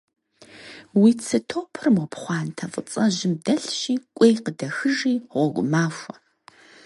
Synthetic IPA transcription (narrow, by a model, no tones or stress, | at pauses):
wiːt͡sʰɨtʰoːpʰɨrɨmɔpχʷɑːntʰɐfʼət͡sʼɐʑɪmdɐɬɕiːkʷʼejqədɐxɨʒiːʁʷɔɡʷʊmaːʃʷɐ̥